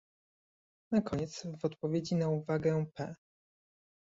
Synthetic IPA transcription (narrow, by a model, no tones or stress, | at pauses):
nakʰɔɲɛt̪svɔt̪pɔvʲjed͡ʑinauvaɡɛ̃pɛ